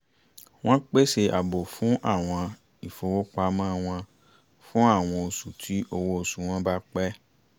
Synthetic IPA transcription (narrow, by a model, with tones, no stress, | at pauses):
w̃ɔ̃˦k͡pe˦se˧ʔa˨bo˨fũ˦ʔa˦˨w̃ɔ̃˧ | i˨fo˨wo˦k͡pa˧mã˦˧w̃ɔ̃˧ | fũ˦a˦˨w̃ɔ̃˧o˧su˨tʰi˨˦o˧wo˦o˧su˨w̃ɔ̃˦ba˦k͡pɛ˦